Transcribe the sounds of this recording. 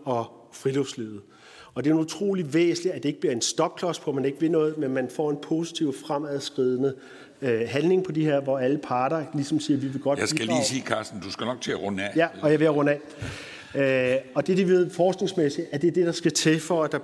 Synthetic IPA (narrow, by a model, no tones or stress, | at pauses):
ɒ̽ | fʁiloʊsleːð̩ˠ | ɒ̽d̥e̝nut͡sʰʁo̝̰ːliʋḛːsliæd̥e̝e̝ɡ̥b̥liɐe̝nsd̥ɒ̽ɡ̥̚kʰlɒspʰɒmæne̝ɡ̥əʋe̝nɔ̽ːð̩ˠmenmænfɒ̰ːe̝npʰo̝si̥t͡sʰiʊfʁamæðˠsɡ̥ʁið̞ˠnə | ɦænne̝ŋpʰɒ̽d̥iheɐ̰ʋɒæləpʰɑ̈ːɾ̥ɐlisɒ̽msiːɐʋiʋe̝ɡ̥ɒ̽d̥sḭliːsiːkʰɑːsd̥n̩d̥usɡ̥ænɒɡ̥t͡sʰeʁɔnɛjæɒ̽jɑ̈ʋe̝æʁɔ̽nɛ | øɒ̽d̥e̝d̥iʋe̝ð̞̰ˠfɒːsɡ̥ne̝ŋsmesid̥æɐd̥ed̥e̝ɾ̥ɑ̈sɡ̥æt͡sʰe̝fɒ̽æd̥ɑ